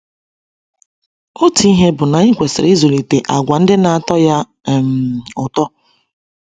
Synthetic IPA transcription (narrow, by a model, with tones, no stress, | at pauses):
o˦ti˨˦i˦ɦe˦bʊ˨na˨i˦kʷe˨sɪ̰˨ɾi˦zo˨li˨te˨ʔa˨ɡʷa˨n̩˦dɪ˦na˨a˨tɔ˦ja˦˨ | m̩˨ʊ˨tɔ˦